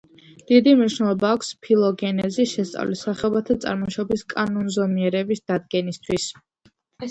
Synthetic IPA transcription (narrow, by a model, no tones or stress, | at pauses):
d̪̥id̪imniʃnɛlˠɔbaːkʰʷspʰilˠɔɡɛnɛziʃɛst̪sʼa̰vlisaχɛɔbat̪ʰat̪sʼa̰ɾmɔʃɔbiskʼanunzɔmiɛɾɛbisd̪̥ad̪̚ɡɛnist̪ʰwis